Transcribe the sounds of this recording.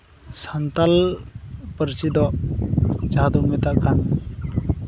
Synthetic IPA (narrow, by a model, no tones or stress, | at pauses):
sant̪al | pəɾsid̪ɔʔ | d͡ʒaɦad̪uŋmɛt̪aʔkʰan